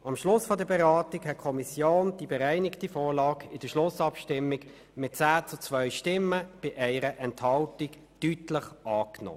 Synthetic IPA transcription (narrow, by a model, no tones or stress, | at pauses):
ɑmʃlʊsfɔdəbɛʁɑːtɪkhɛt̚kʰɔmisjoːnd̥ibɛʁæɪnɪktifoːʁlɑːkɪd̥əʃlʊsɑpʃtɪmːɪɡ | mɪt̚t͡saːt͡sʊt͡svœʏʃtɪmːəb̥ɪʔɛɪɾəʔɛnthɑltɪk | d̥ytləχʔɑːkno̰ː